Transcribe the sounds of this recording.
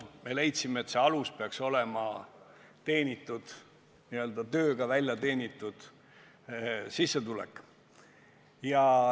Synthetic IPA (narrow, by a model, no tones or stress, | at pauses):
me̞le̞jt̪simeeːt̪se̞ɑluspe̞ɑkso̞le̞mɑ | t̪e̞ːnʲit̪ːˑud̪̥ | niø̞ld̪ɑt̪ø̞ːɡ̥ɑvælʲjɑt̪e̞ːnʲit̪ːˑud̪̥ | sisːe̞t̪ulɛ̰kːˑ | jɑ